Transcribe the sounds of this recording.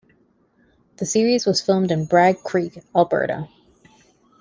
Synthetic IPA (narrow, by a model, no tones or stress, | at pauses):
ðɨsɪɹizwʌz̥fɪlˠmdɨ̃nbɹæɡ̚kʰɹ̥ikɑlˠbɜ̰˞ɾə̰